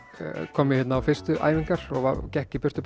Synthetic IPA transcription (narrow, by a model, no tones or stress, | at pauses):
kʰɔːmɪhɛt̪naːwfɪrst̪ʏʔa̰ːjviŋkaɾ̥ɔɣvaɾcɛhcɪpjɪr̥st̪ʏp